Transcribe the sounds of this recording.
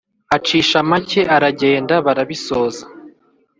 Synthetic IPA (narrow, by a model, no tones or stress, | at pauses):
at͡ʃiːʃamace̞ʔaɾaɟe̞ːndaβaɾaβisoːza